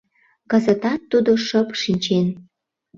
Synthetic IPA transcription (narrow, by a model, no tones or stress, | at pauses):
kəzət̪ɑt̪ːud̪oʃəpʃinʲt͡ɕen